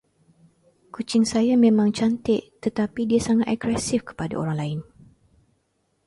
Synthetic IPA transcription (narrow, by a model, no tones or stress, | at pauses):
kut͡ʃɪŋsajamẽmãŋt͡ʃant̪ɪʔt̪ət̪apidiasaŋat̪ɛɡɾɛsɪfkə̥pada̰o̰ɾaŋlaɪn